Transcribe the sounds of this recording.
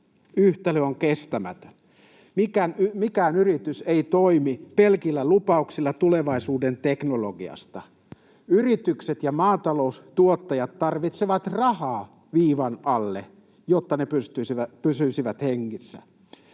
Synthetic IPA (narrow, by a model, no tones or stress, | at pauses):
yht̪æløoŋkest̪æmæ̰t̪ø̥n | mikænmikæːnyrit̪yseit̪oimipelkilːælupɑuksilːɑt̪uleʋɑisuːdent̪eknoloɡiɑ̰st̪ɑ | yrit̪ykset̪jɑmɑːt̪ɑloust̪uot̪ːɑjɑt̪ːɑrʋit̪seʋɑt̪rɑhɑː | ʋiːʋɑnɑlːe | jot̪ːɑnepyst̪ysiʋæpysysiʋæt̪heŋːisːæ̰